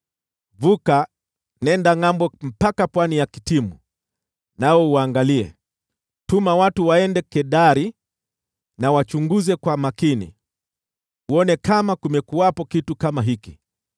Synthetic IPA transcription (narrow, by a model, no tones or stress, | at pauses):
vuka | nɛndaŋambɔm̩pakapwanijakitimu | naɔuaːŋɡaliɛ̰ | tumawatuwaɛndɛkɛɗaɾi | nawat͡ʃuŋɡuzɛkwamakinḭ | uɔnɛkamakumɛkuwapɔkitukamaɦiki